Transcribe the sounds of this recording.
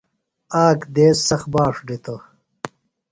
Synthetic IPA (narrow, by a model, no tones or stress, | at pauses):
aːkd̪eːsɐxbaːʂɖit̪o